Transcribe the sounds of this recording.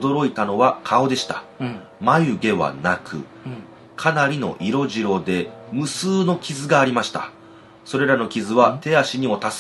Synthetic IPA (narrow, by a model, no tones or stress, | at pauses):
d̪o̞ɾo̞it̪ano̞βakʰao̞d̪e̞ɕi̥t̪ḁ | majɯ̟ɡe̞βa̰nakʰɯ̟̰ | kʰanaɾʲino̞̰ʔiɾo̞ʑiɾo̞d̪e̞mɯ̟sɨːno̞kʲizɨɡaːɾʲimaɕi̥t̪a̰ | so̞ɾe̞ɾano̞kʲizɨβat̪e̞aɕiɲ̟imo̞t̪as